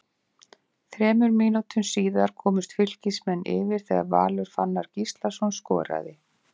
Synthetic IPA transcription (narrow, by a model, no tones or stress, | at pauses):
θɾɛːmʏɾmiːnut̪ʏmsiːðaɾ̥kʰɔːmʏst̪fʏl̥cismɛnːʔɪ̰vɪɾ̥θɛɣa̰ɾva̰ːlʏɾ̥fanːaɾ̥cist̪lasɔnskɔ̰ːɾa̰ðɪ